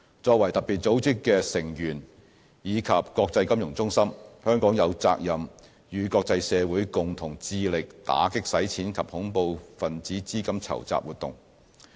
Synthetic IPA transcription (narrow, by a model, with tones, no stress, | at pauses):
t͡sɔː˧k̚wɐ˨˩jt̪ɐ˨k̚piː˨˩t̚t͡so˨˥wt͡sɪ˥kːɛː˧sɪ˨˩ŋjyː˨˩n | jiː˨˧kʰɐ˨p̚kɔː˧k̚t͡sɐ˧jkɐ˥mjʊ˨˩ŋt͡sʊ˥ŋsɐ˥mhœː˥ŋkɔː˨˥ŋjɐ˨˧wt͡sa̰ː˧k̚jɐ˨m | jyː˨˧kɔː˧k̚t͡sɐ˧jsɛː˨˧wuː˨˥jkʊ˨ŋt̪ʰʊ˨˩ŋt͡siː˧lɪ˨k̚t̪a̰ː˨˥kɪ˥k̚sɐ˨˥jt͡sʰiː˨˥nkʰɐ˨p̚hʊ˨˥ŋpo˧wfɐ˨nt͡siː˨˥t͡siː˥kɐ˥mt͡sʰɐ̰˨˩wt͡sa̰ː˨p̚wuː˨t̪ʊ̰˨ŋ